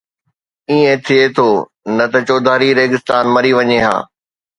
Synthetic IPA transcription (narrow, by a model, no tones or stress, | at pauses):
iẽt̪ʰiet̪ʰoː | nɐt̪ɐt͡ɕoːd̪ʱaːɾiɾeːɡɪst̪aːnmɐɾiʋɐɲeɦa̰ː